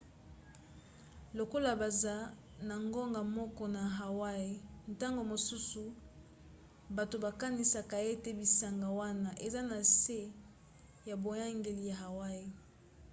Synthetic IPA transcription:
lo˨ko˦la˨ba˨za˦ | na˨ŋɡo˦ŋɡa˨mɔ˦kɔ˦na˨ɦa˨wa˦e˨nta˦ŋɡo˨mo˨su˦su˨ | ba˨to˨ba˨ka˦ni˨sa˨ka˨e˦te˦bi˨sa˨ŋɡa˨wa˦na˨ʔe˨za˦na˨se˦ | ja˨bo˨ja˦ŋɡe˨li˨ja˨ɦa˨wa˦e˨

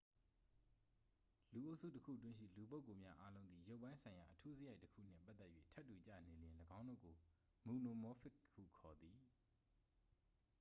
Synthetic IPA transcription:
lu˨ʔo˦ʊʔsʰṵ˦˨təkʰṵ˦˨ət̬wɪ̃˦ʃḭ˦˨lu˨p̬o˦ʊkːo˨mja˦ʔa˦lõ˦ʊ̃nd̪ði˨jo˦ʊpːã˦ɪ̃sʰã˨ɪ̃ja˨ʔətʰu˦zə˦ja˦ɪtːəkʰṵ˦˨n̥ɪ̰̃˦˨pa˦t̪ɛ˦ʔjwḛ˦˨tʰɛ˦tːu˨t͡ɕä̰˦˨n̥ẽ˨ljɪ̃˨ləɡã˦ʊ̃ndo̰˦˨ɡo˨ | mu˨no˨mɔ˦fɪ˦kkːṵ˦˨kʰɔ˨d̪i˨

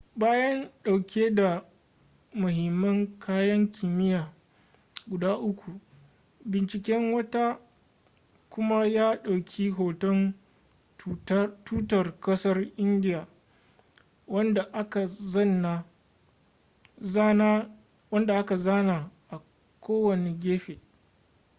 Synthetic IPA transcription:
baː˦jɐ˦nɗa˨wkʲʰeː˦da˨ | mʊ˨ɦɪ˨mːɐ˦ŋkʰaː˦jɐ˦ŋkʲʰiː˨mɪ˦jaː˨ | ɡʷʊ˨daː˦ʔʊ˦kʷu˨ | bɪ˨nt͡ʃɪ˨kʲɛ˦ŋwɐ˦ta˦ | kʷʊ˦ma˦jaː˦ɗa˨wkʲʰiː˦ɦoː˨tɔ˦n | tuː˦tɐ˨rkɐ˦sɐ˦rʔɪ˦ndɪ˦jaː˨ | wɐ˦nda˨ʔa˦ka˨zɐ˦˨nːa˨˦ | n˦ | wɐ˦nda˨ʔa˦ka˨zaː˦na˨ʔa˨ | kʰʷoː˦wɐ˨ne˨ɡʲeː˦ɸe˨

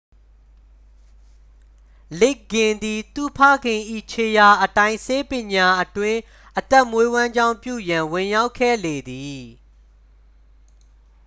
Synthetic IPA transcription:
le˦kːɪ̃˨nd̪i˨t̪ṵ˦˨pʰa̰˦˨ɡɪ̃˨ʔḭ˦˨t͡ɕʰe˨ja˨ʔətã˦ɪ̃se˦pjɪ̃˨ɲa˨ʔətwɪ̃˦ | ʔət̪ɛ˦˨mwe˦wã˦ɲd͡ʑã˦˨ʊ̃mpjṵ˦˨jã˨wɪ̃˨ja˦ʊkʰːɛ̰˦˨le˨d̪i˨

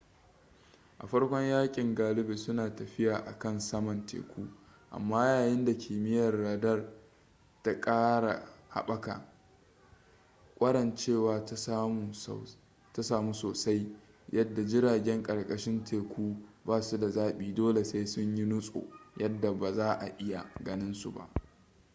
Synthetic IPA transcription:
ʔa˨ɸɐ˦ɽkʷɔ˦ɲjaː˦kʲʼɪ˨ŋɡaː˨lɪ˦be˨sʊ˦naː˨tɐ˨ɸɪ˦jaː˨ʔa̰˨kɐ˦˨nsɐ˦mɐ˨ntḛː˨kʷuː˦ | ʔa̰˨mːaː˦jaː˨jɪ˦nda˨kʲʰiː˨mɪ˦jɐ˨rːaː˨dɐ˦r | ta˦kʼaː˦ɾa̰˨ha̰˨ɓɐ˦ka̰˨ | kʷʼɐ˦ɽɐ˨nt͡ʃeː˦˨waː˨˦mu˨ | ta˦saː˨muː˦soː˨sa˦j | jʔɐ˦dːa˨d͡ʒɪ˦ɾaː˨ɡʲɛ˦ŋkʼɐ˨rkʼɐ˦ʃɪ˦ntʰeː˨kʷuː˦baː˦su˦da˨zaː˦ɓiː˨doː˦le˨se˦sʊ˦ɲji˦nʊ˦sʼo̰ː˨jɐ˦dːa˨ba˨zaː˦ʔa̰˨ʔɪ˦ja̰˨ɡɐ˦nɪ˦nsṵ˨ba̰˨ʔ

